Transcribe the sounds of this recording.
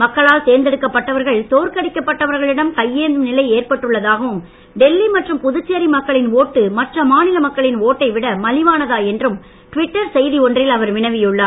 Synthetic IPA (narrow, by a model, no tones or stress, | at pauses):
mɐkːɐɭaːlseːɾnd̪ɛɽɯkːɐpːɐʈːɐʋɐɾɣɐɭt̪oːɾkɐɽɪkːɐpːɐʈːɐʋɐɾɣɐɭɪɽɐmkɐjːeːnnɪlɐɪeːrpɐʈːɯɭːɐðaːɣɐʋɯm | ɖɛlːimɐʈrɯmpʊðɯt͡ʃːeːɾimɐkːɐɭɪnoːʈːɯmɐʈrɐmaːnɪlɐmɐkːɐɭɪnoːʈːɐɪʋɪɽɐmɐlɪʋaːnɐðaːɛndrɯm | ʈʋɪʈːɐɾsɛjðiɔndrɪlɐʋɐɾʋɪnɐɪʋɪjɯɭːaː